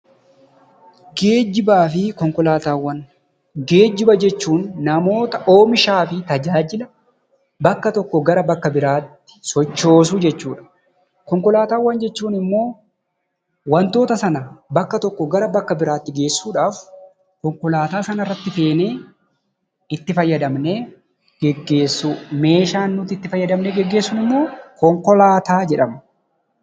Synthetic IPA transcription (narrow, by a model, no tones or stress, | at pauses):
ɡeːd͡ʒɪbaːfɪkɔŋkɔlaːt̪aːwːɐn | ɡe̞ːd͡ʒːɪbɐd͡ʒɛt͡ʃːuːnːɐmo̞ːt̪ɐʔo̞ːmɪʃaːfɪt̪ɐd͡ʒaːd͡ʒɪlɐ | bɐkːɐt̪ɔkːɔɡɐɾɐbɐkːɐbɪɾaːt̪ːɪ̥sɔt͡ʃːo̞ːs̬ʊd͡ʒɛt͡ʃːuːᶑɐ̥ | kɔŋkɔlaːt̪aːwːɐnd͡ʒɛt͡ʃːuːnɪmːo̞ː | wɐnt̪o̞ːt̪ɐsɐnɐbɐkːɐt̪ɔkːɔɡɐɾɐbɐkːɐbɪɾaːt̪ːɪɡe̞ːsːuːᶑaːf | kɔŋkɔlaːt̪aːsɐnɐrːɐt̪ːɪfe̞ːneː | ɪt̪ːɪfɐjːɐd̪ɐmne̞ː | ɡ̥ɛɡːe̞ːsːume̞ːʃaːnːʊt̪ːɪt̪ːɪfɐjːɐd̪ɐmneːɡɛɡːe̞ːsːʊnɪmːo̞ːkɔŋkɔlaːt̪aːd͡ʒɛᶑɐmɐ